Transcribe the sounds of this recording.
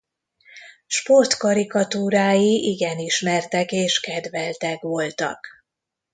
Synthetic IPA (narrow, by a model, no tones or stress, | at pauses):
ʃpo̞rt̪kɒɾikɒt̪uːɾaːjiʔiɡɛniʃmɛrt̪ɛkeːʃkɛd̪vɛlt̪ɛkʋo̞lt̪ɒ̰k